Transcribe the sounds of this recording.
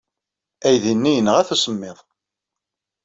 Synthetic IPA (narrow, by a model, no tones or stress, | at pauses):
æjðinːijənːəʁæθæsəmːɪðˤ